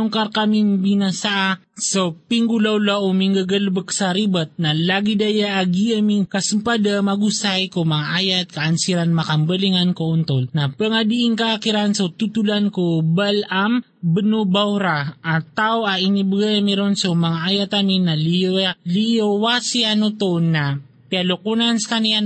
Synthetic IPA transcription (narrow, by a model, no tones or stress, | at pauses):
uŋkaɾkamiŋbinasaʔa | sopiŋɡulawlaʔomiŋɡaɡəlbəksaɾibat̪̚nalaɡid̪ajaʔaɡiamiŋkasumpad̪amaɡusajkomaŋaʔajat̪̚kaːnsiɾanmakambəliŋankount̪olnapəŋad̪iʔɪŋkakiɾansot̪ut̪ulankobalam | bənubawɾaʔat̪aoaʔinibɡajamiɾonsomɐŋaʔajat̪aminaliliowasianot̪ona | pialokunanskanian